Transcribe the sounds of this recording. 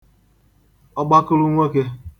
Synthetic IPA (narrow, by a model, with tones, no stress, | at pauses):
ɔ˦ɡ͡ba˦kʊ˦lʊ˦ŋʷe˦ke˦